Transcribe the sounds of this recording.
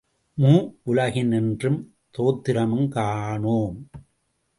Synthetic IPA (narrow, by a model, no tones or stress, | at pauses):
muːʔʊlɐɣɪnɪndrɯm | t̪oːt̪ːɪɾɐmɯmkaːɳoːm